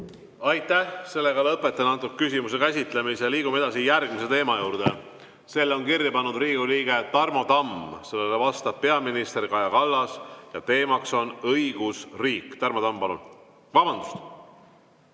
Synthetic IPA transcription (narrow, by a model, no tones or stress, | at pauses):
ɑjt̪ːˑæhse̞lːe̞ɡɑlɤpːˑe̞t̪ːˑɑnːɑt̪ːˑukːkysʲimusekæsʲit̪le̞miseliːɡ̥umeed̪ɑsijærɡmise̞t̪e̞ːmɑjuːɾd̪̥e̞ | se̞lːo̞nkirjɑpɑnːud̪̥riːɡ̥uliːɡ̥e̞t̪ɑrmo̞d̪ɑmse̞lːelevɑst̪ɑb̥̚pe̞ɑminist̪e̞rkɑjɑkɑlːɑsjɑt̪e̞ːmɑkso̞nɤjɡ̥usriːkːˑt̪ɑrmo̞d̪ɑmpɑlṵn | vɑb̥ɑnd̪̥ust̪